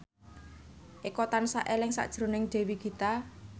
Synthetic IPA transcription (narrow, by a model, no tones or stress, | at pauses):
ʔikɔt̪ansaʔelɪŋsa̰d̥ʒ̥ɾo̤nɪŋɖ̪̥e̤wiɡ̥i̤t̪a